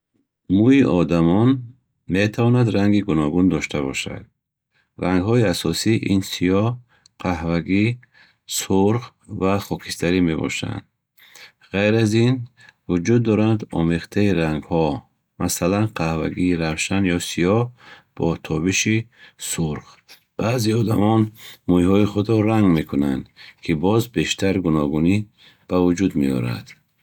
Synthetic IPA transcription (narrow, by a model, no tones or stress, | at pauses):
muiʔɔd̪amɔn | met̪ʰavɔnad̪ɾaŋɡiɡunɔɡund̪ɔʃt̪ʰabɔʃa̰d̪̥̚ | raŋɡhɔiasɔsiʔinsijɔ | qʰaɦvaɡi | suɾʁ | vaχɔkʰi̥st̪ʰaɾime̞bɔ̰ʃa̰nd̪ | ʁajɾazin | vud͡ʒud̪ːɔɾand̪ɔ̰meχt̪ʰaiɾaŋɡhɔ | mʔasalanqʰahva̰ɡiːɾavʃanjɔsiɔb̥ɔt̪ʰɔbiʃisuɾʁ | b̥aːziɔd̪amɔnmujhɔiχud̪ɾɔɾaŋɡme̞kʰunand̪kʰibɔzbe̞ʃt̪ʰaɾɡunɔɡuni | b̥avud͡ʒud̪mḛɔ̰ɾa̰d̪̥